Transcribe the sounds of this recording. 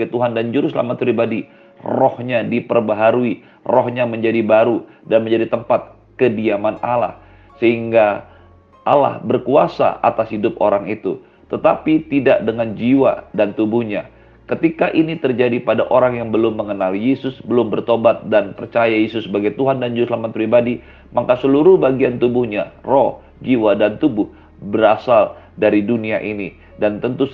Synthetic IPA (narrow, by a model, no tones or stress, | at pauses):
t̪uɦandand͡ʒuɾʊsla̰mat̪̚pɾibadi | rɔhɲadipərbaɦaɾui | rohɲaməɲd͡ʒadibaɾu | danməɲd͡ʒadit̪əmpat̪̚ | kədiamanala̰h | səɦiŋɡa | ʔa̰la̰hbərkuasa̰a̰t̪ashidʊp̚o̰ɾaŋit̪u | t̪ət̪apit̪idaʔdəŋand͡ʒiwa̰dant̪ubʊhɲa | kət̪ikaʔinit̪ərd͡ʒadipadaʔoɾaŋjaŋbəlʊmːəŋənaljesʊsbəlʊmbərt̪obat̪̚danpərt͡ʃajajesʊsːəbaɡajt̪uɦandand͡ʒuslamat̪̚pɾibadi | makasəluɾʊhbaɡiant̪ubʊhɲarɔh | d͡ʒiwadant̪ubʊh | bəɾasaldaɾiduniaʔini | dant̪ənt̪u